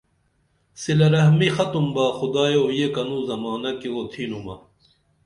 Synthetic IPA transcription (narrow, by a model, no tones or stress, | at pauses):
silɐɾɐɦmixɐt̪umbaːxud̪aːjeojekɐnũːzɐmaːnɐkiwoːt̪ʰiːnumɐ̰